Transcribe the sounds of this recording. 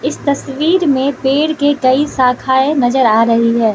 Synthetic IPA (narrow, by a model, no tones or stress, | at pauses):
ɪst̪ɐsʋiːɾmẽpeːɽkekɐisaːkʰaːenɐzəɾaːɾɐɦiɦɛː